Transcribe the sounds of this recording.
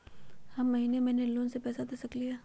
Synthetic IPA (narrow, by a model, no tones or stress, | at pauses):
hɐmːɐɦiːnemɛ̃ːneloːnsepɛːsad̪eːsɐklijaː